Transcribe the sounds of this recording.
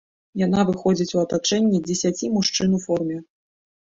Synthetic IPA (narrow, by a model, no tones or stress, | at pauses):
janavɨxɔd͡zʲit͡sʲuɐt̪at͡ʂɛnʲːɛd͡zʲɛsʲat͡sʲimuʂt͡ʂɨnufɔrmʲɛ